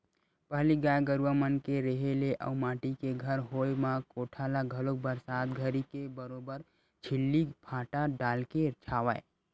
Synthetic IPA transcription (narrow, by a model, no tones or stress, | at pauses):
pəɦliɡaːjɡəɾwamənkeɾeɦeleʔə̰maːʈikeɡʱəɾɦojmakoʈʰalaɡʱəlok̚bəɾsaːt̪ɡʱəɾikebəɾobəɾ | t͡ʃʰɪlːikpʰãːʈaɖaːlket͡ʃʰaːʋə̰j